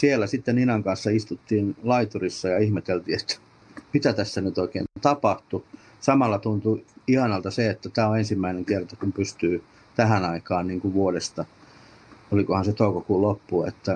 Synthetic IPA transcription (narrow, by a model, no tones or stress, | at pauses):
sielːˑæsit̪ːeninɑŋkɑnsːɑist̪ut̪ːiːnlɑit̪urisːɑjɑihmet̪elt̪iːet̪ːæ̥ | mit̪æt̪æsːænyt̪oikḛːnt̪ɑpɑht̪u | sɑmɑlːɑt̪unt̪uihɑnɑlt̪ɑseet̪ːæt̪æːoensimːæineŋkert̪ɑkumpyst̪yː | t̪æhænɑikɑːnniːŋkuʋʋuodest̪ɑ | olikohɑnset̪oukokuːlopːuḛt̪ːæ